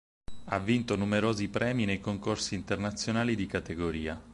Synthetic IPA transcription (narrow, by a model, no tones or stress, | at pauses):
avːint̪onumeɾoːzipɾʔɛːminejkoŋkorsiːnt̪ernat̪sːjonaːlid̪ikat̪eɡoɾiːa